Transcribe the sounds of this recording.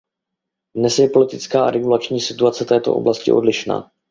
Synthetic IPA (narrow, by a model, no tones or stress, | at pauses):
dnɛsjɛpo̞lɪt̪ɪt͡skaːa̰ɾɛɡulat͡ʃɲiːsɪt̪uat͡sɛt̪ɛːt̪oʔo̰blascɪ̰ʔo̞̰dlɪʃna̰ː